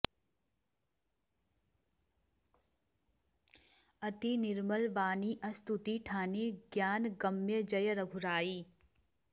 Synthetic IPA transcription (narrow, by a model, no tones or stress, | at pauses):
ɐt̪inɪɾməlʋaːniʔɐst̪ut̪iʈʰaːneɡjaːnɡɐmːjəd͡ʒɐjəɾɐɡʱʊɾaːiː